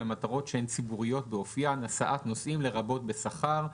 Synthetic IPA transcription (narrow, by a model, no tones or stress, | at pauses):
amat̪aʁo̞tʃeent͡sibuʁijo̞t̪̚beofijanasaʔat̪no̞sʔimle̞ʁabo̞t̪̚be̞saχaʁ